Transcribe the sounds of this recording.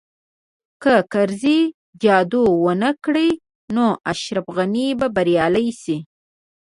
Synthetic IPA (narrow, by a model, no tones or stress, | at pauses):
kəkaɾzi | d͡ʒɑd̪owənəkɽəj | noʔaʃɾafɣanibabaɾjɑlajsi